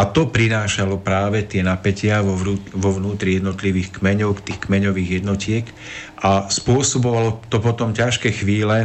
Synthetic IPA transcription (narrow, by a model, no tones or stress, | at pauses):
at̪ɔpɾinaːʃalɔpɾaːʋɛt̪ɪɛnapɛcɪaʋɔuʋɔʋnuːt̪ɾijɛd̪nɔt̪liʋiːxkmɛɲɔʊkt̪iːxkmɛɲɔʋiːɣjɛd̪nɔcɪɛk | ʔaspʊɔsɔbɔʋalɔt̪ɔpɔt̪ɔmcaʃkɛxʋiːlɛ